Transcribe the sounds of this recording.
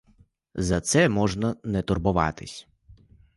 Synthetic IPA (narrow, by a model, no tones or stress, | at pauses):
zɐt̪sɛmɔʒnɐnɛt̪ɔrbʊʋɑ̰t̪ɪsʲ